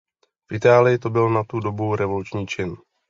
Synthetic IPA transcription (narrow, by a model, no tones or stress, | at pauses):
fʔɪt̪aːlɪjɪt̪o̞bɪlnat̪udo̞buɾɛvo̞lut͡ʃɲiːt͡ʃɪn